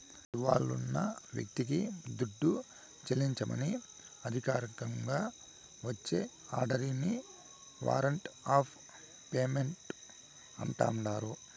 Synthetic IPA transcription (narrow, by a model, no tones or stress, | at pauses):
iʋa̰ːɭːunːɐ̰ʋjɐ̰k̚t̪ik̬id̪uɖːu | t͡ʃɐliɲt͡ʃɐmɐ̰ni | ɐd̪ʱikaːɾɐkɐŋɡaː | ʋɐt͡ʃːe̞ː | aːɖɐɾiːni | ʋa̰ːɾɐɳʈaːpʰ | peːmeɳʈ | ɐɳʈa̰ːmɖaːɾu